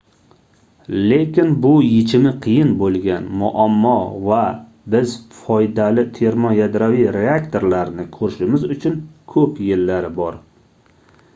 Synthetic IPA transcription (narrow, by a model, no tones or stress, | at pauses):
le̞kʲɪnbʊjet͡ʃʰɪmɪqʰɨjɪnbolˠɡʲanmʊʔamːɒva | bɪzfɒjd̪alɪt̪ʰe̞ɾmɒjad̪ɾavijɾeakt̪ʰo̞ɾlaɾnɪkʰɵɾɪʃɪmɪzʊt͡ʃʰʊnkʰɵpjɪlːaɾɪbɒɾ